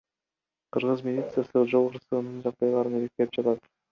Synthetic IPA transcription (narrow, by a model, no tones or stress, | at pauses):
qʰɯɾʁɯzmʲɪlʲit̪sɨjasɯd͡ʒo̞lˠʁuɾsˠɯʁɯnd̪ɯnd͡ʒɑq̚d̪ɑjlˠɑɾɯnelek̚t̪epd͡ʒɑt̪ɑt̪